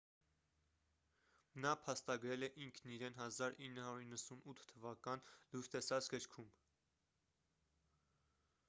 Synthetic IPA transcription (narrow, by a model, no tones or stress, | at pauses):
nɑpʰɑst̪ɑɡɾɛlɛʔiŋkʰniɾɛnɦɑzɑɾinːəɦɑɾuɾinːəsunut̪ʰt̪ʰːəvɑkɑnluɾst̪ɛsɑt͡sɡəɾkʰum